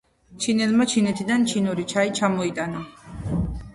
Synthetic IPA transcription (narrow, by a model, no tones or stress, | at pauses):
t͡ʃʰinɛlmat͡ʃʰinɛt̪ʰid̪ant͡ʃʰinuɾit͡ʃʰait͡ʃʰamɔit̪ʼana